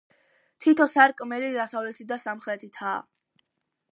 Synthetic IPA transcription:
t̪ʰit̪ʰɔsaɾkʼmɛɾid̪asavlɛt̪ʰid̪asamχɾɛt̪ʰit̪ʰaː

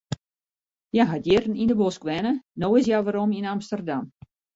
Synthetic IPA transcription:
jaɦadjɪrən̩indəboskʋɛnənoːɪs̬jaʋaɾominamstərdam

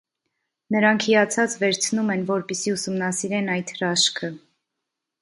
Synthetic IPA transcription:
nəɾɑŋkʰijɑt͡sʰɑt͡svɛɾt͡sʰnumɛnvɔɾpɛsiusumnɑsiɾɛnɑjt̪rɑʃkʰə

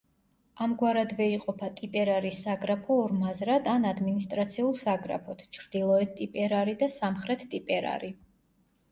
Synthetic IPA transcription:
amɡwaɾad̪vɛiqʼɔpʰat̪ʼipʼɛɾaɾisːaɡɾapʰɔːɾmazɾad̪anad̪minist̪ʼɾat̪sʰiulˠsaɡɾa̰pʰɔt̪ʰt͡ʃʰɾd̪̥ilˠɔɛt̪t̪ʼipʼɛɾaɾid̪asamχɾɛt̪ʰt̪ʼipʼɛɾa̰ɾi

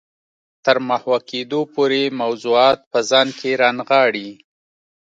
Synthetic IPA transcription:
t̪əɾmahwaked̪opoɾemawzuɑt̪̚pəzɑnkʰeɾɑnɣɑɽi

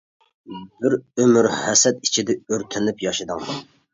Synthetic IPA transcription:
bɪɾømyɾhæsɛt̪i̥t͡ʃʰid̪ɛøɾt̪ʰɪnɪpjɑʃɪd̪ɨŋ

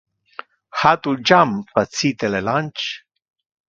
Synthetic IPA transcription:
hat̪ud͡ʒampət̪t͡sit̪elelanʲt͡ʃ

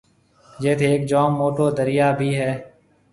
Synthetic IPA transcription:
d͡ʒeːt̪ʰeeːk̚d͡ʒoːmːoːʈoːd̪əɾɪjaːbʱiːɦɛː

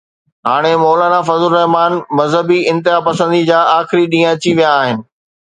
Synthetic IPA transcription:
ɦaːɽ̃emɔːlaːnafɐzʊlɾɛɦmaːnmɐzɦəbiɪ̃nt̪ɪɦapɐsə̃nd̪id͡ʑaːʔaːxɪɾiɗĩːə̃ɐt͡ɕiʋijaːɦɪnɪ̆

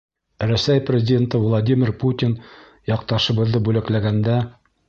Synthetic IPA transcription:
ɾʉsæjprʲɪzʲɪdʲent̪ɤvlˠad̪ʲimʲɪɾput̪ʲin | jɒq̚t̪ɑʃɤ̆bɤ̆ðːɤbʉlæklæɡænd̪æ

